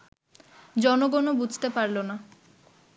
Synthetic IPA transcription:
d͡ʑɔnoɡɔnobud͡ʑʱt̪epaɾlona

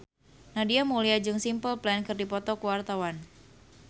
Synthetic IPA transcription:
nadiamuliad͡ʒɨŋsimpəlplɛnkɨrdipɔt̪ɔkuwart̪awan

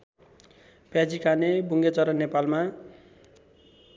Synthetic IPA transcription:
pjad͡zikʰanebuŋɡet͡sʌɾʌnepalma

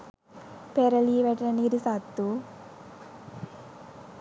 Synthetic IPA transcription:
peɾɐliʋɛʈɐnɐniɾisaːt̪ːu

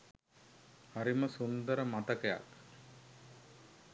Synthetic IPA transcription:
haɾiməsund̪əɾəmat̪əkəja̰k

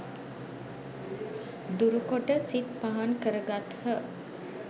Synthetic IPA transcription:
d̪uɾukoʈəsit̪̚paɦankəɾəɡat̪hə

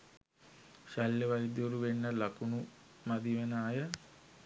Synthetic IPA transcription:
ʃaljəʋaid̪joɾuʋenːəlakunu | mad̪iʋənaːjə

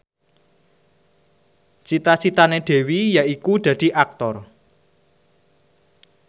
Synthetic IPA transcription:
t͡ʃit̪at͡ʃit̪aneɖ̪̥e̤wijaikud̪̥ä̤d̪̥i̤ʔak̚t̪ɔr

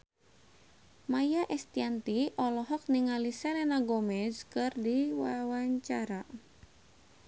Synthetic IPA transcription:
majaʔɛst̪iant̪iʔɔlɔɦɔk̚niŋalisɛlɛnaɡɔmɛzkɨrdiwawaɲt͡ʃaɾa

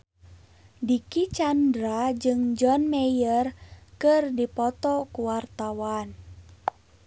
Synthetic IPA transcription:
dikit͡ʃandɾad͡ʒɨŋd͡ʒɔnmɛjərkɨrdipɔt̪ɔkuwart̪awan

